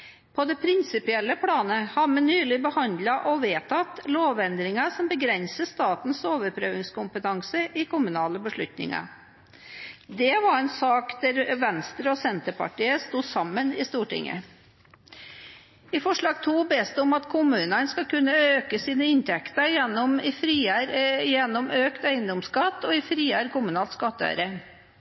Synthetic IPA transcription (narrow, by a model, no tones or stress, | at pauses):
pʰɔd̪ɛpʰɾɪnsɪpɪɛlːəpʰlɑːnəhɑmɛnyːlɪbəhɑnd̪lɑʔɔʋeːt̪ʰɑt̪loːʋɛnd̪ɾɪŋɑʂɔmbəɡɾɛnsəst̪ɑːt̪n̩soːʋəɾpʰɾøːʋɪŋskʊmpət̪ʰɑŋsəʔɪkʰʊmʉnɑːləbəʂɭʉ̰t̪nɪ̰ŋɑ̰ | d̪ɛʋɑɾɛnsɑːkd̪æɾʋɛnst̪ɾəɔsɛnt̪əpɑ̰ʈiːəst̪uːsɑmːənɪst̪uːʈɪ̰ŋːə̰ | ɪfɔʂɭɑːɡt̪ʰuːbeːst̪əɔmɑt̪kʰʊmʉːnənskɑkʉnːəøːkəsiːnəɪnt̪ʰɛkt̪əjɛnːɔmɪfɾiːɾjɛnːɔmøːkt̪œʏənd̪ɔmskɑt̪ːɔɪfɾiːæːɾkʊmʉnɑːlt̪skɑt̪ːœ̰ʏɾə